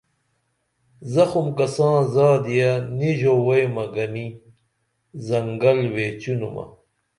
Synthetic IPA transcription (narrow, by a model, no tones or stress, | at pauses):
zɐxumkɐsãːzaːd̪ijaniʑowɐjmɐɡɐni | zɐŋɡɐlweːt͡ɕunumɐ̰